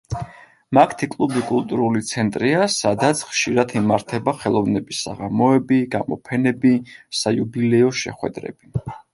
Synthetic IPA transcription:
makʰt̪ʰikʼlˠubikʼulˠt̪ʼuɾulit̪sʰɛnt̪ʼɾiasad̪at̪sʰχʃiɾat̪ʰimaɾt̪ʰɛbaχɛlˠɔvnɛbisa̰ʁamɔɛbiɡamɔ̰pʰɛnɛbisajubilɛɔʃɛ̰χwɛ̰d̪ɾɛ̰b̥i

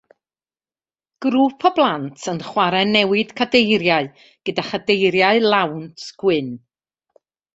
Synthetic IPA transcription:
ɡ̥ɾuːpʰɔblˠantʰənχwaɾɛnɛwɪd̥kʰadejɾjaɨ | ɡ̥ədaχadejɾjaɨlˠawntʰɡ̥wɪn

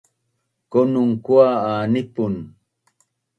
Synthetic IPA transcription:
konʊŋkwaaːnɪpʊn

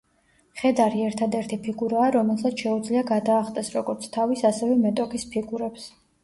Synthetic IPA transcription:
χɛd̪aɾiɛɾt̪ʰad̪ɛɾt̪ʰipʰiɡuɾaːɾɔmɛlˠsat̪sʰʃɛud̪zliaɡad̪aːχt̪ʼɛsɾɔɡɔɾt̪sʰt̪ʰavisasɛvɛmɛt̪ʼɔkʰispʰiɡuɾɛps

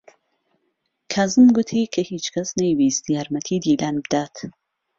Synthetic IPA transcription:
kʰaːzɨmɡut̪ʰikʰɐhiːt͡ʃkʰɐsnɐjwiːst̪iaːɾmɐt̪ʰid̪iːlaːnbd̪aːt̪

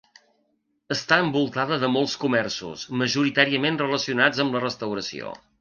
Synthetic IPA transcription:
əst̪aəmbulˠt̪aðəðəmolˠskumɛrsṵsməʒuɾit̪aɾiəmenrələsiunad͡zəmblərəst̪əwɾəsḭo̰

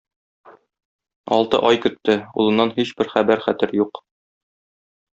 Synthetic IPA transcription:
ɒ̰lˠt̪ɤ̰ʔɒjkɵ̆t̪ːɘṵlˠɤ̆nːɑnɦiɕbɘɾχæbæɾχæt̪ɘɾjuq

